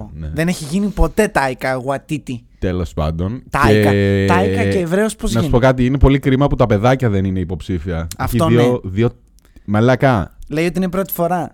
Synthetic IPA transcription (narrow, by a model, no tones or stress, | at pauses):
neðe̞ne̞çiʝinipo̞t̪e̞t̪ɐikɐɣwɐt̪it̪it̪elo̞spɐ̰nd̪o̞nt̪ekɐɐikɐceːvɾe̞ospoznnɐssspo̞kɐt̪iinepo̞likɾimɐput̪ɐpe̞ðɐcɐðe̞nineipo̞psifiɐefçioioðio | melɐkɐle̞iot̪iinepɾo̞t̪i̥fo̞ɾɐ